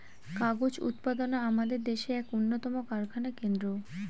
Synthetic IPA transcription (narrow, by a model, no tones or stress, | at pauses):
kaɡod͡ʑṵt̪̚pad̪onaamad̪eɾd̪eʃeɛkonːot̪ɔmokaɾkʰanakend̪ɾo